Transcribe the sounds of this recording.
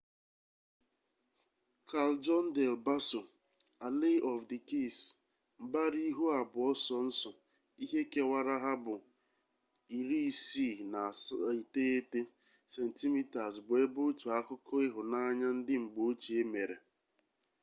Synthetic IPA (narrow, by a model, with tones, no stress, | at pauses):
kʰa˨ld͡ʒɔ˦n̩˦de˨lba˦sʊ˨ | a˨le˦ʔɔ˨fdɪ˨ki˦˨s | m̩˨ba˦ɾi˦ɦu˦a˨bʊ˨ɔ˦sɔ˨n̩˦sɔ˨ | i˦ɦe˦ke˦wa˦ɾa˦ɦa˦bʊ˨ | i˨ɾi˦˨si˦˨na˨i˨te˦e˦te˦ | se˨n̩˨ti˦mi˦ta˨sbʊ˨e˦bo˦tu˨a˦kʊ˦kʊ˦ɪ˦ɦʊ˨na˦ɲa˦n̩˦dɪ˦ŋ͡m̩˨ɡ͡bo˨˦o˦t͡ʃi˨e˦me˨ɾe˨